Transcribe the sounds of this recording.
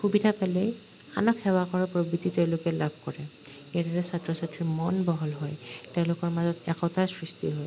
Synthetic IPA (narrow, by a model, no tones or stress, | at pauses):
xubidʱapalɛj | a̰nɔkxɛwakɔɹapɹobɹititeʊ̃lʊkɛlabʱkɔɹɛ | ejadɔɹɛsatɹɔsatɹimɔnbɔɦɔlɦɔjteʊ̃lʊkɔɹmazɔtɛkɔtasɹistiɦɔj